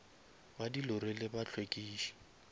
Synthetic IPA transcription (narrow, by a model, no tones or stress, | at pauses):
badilʊɾelɪbat͡ɬʰwekʼiːʃi̥